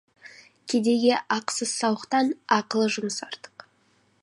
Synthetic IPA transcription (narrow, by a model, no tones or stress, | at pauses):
kʲʰed̪e̞ɡʲe̞ʔɑqsəz̥sɑwəqt̪ɑnɑqəlˠəʒʊmsɑɾt̪ə̥q